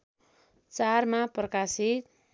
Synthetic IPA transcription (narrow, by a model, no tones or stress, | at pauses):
t͡sarmaprʌkasit̪̚